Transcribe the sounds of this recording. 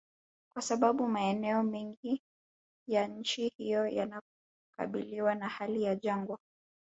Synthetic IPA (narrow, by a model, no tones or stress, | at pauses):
kwasaɓaɓumaɛnɛɔmɛŋɡi | jaɲ̩t͡ʃihijɔja̰na | ka̰ɓiliwanahalijaʄaŋɡwa